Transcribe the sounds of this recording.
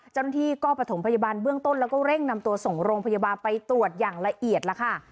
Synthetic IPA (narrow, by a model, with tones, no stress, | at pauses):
t͡ɕa˥˩wna˥t̪ʰiː˥˩kɔː˥˩pɾt̪ʰo˩˦mpʰa˧ja˧baː˧nbɯ˥˩əŋt̪o˥˩nlɛː˦˥wkɔː˥˩ɾe˥˩ŋna˧mt̪u˧ɐso˨˩ŋɾoː˧ŋpʰa˧ja˧baː˧npa˧jt̪ɾu˨˩ət̪̚jaː˨˩ŋla˧ʔi˨˩ət̪̚la˦˥kʰa˥˩